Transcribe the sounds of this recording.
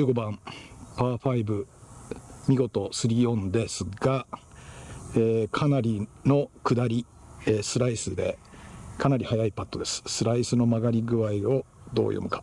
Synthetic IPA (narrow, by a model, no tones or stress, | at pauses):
ɯ̟ːɡo̞bãmpaːɸaibɯ̟ | mʲiɡo̞t̪o̞sɨɾʲiõ̞nd̪e̞sɨɡa | eːkʰanaɾʲino̞kɯ̟d̪aɾʲi | esɨɾaisɨd̪e̞̰kanaɾʲihajaipat̪ːo̞d̪e̞sɨ̥sɨɾaisɨno̞maɡaɾʲiɡɯ̟βaio̞ | d̪o̞̰ːjo̰mɯ̟kḁ